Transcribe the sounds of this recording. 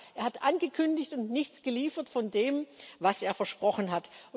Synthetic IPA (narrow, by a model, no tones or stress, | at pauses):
ʔeːɐhatʔanɡəkʰʏndɪçtʊntnɪçt͡sɡ̥əliːfɐtfɔndeːmvaseːɐfɛɐʃpʁ̥ɔχənɦat